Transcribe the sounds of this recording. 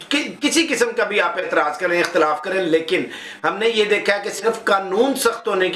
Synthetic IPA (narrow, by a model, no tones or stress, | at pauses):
kɪkɪsikɪsəmkabʱiaːpeːt̪ɪɾaːzkɐɾẽːɪxt̪ɪlaːfkɐɾẽːleːkɪn | ɦɐmnejed̪eːkʰaɦɛkesɪɾfkaːnuːnsɐxt̪ɦoːnek